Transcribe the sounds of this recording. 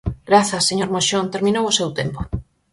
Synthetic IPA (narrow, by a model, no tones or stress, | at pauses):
ɡɾaθɐsːeɲoɾmoʃont̪eɾmĩnowʊsewt̪empo